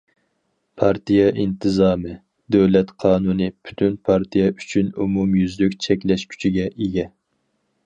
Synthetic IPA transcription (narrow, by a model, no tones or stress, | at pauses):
pʰɑɾt̪ʰijɛʔint̪ʰɨzɑːmɨ | d̪øwlɛt̪qʰɑːnunɨpʰy̥t̪ʰynpʰɑɾt̪ʰijɛyt͡ʃʰynumumjyzlykʲt͡ʃʰɛkʲlɛʃkʲʰy̥t͡ʃʰiɡʲɛʔeɡʲɛ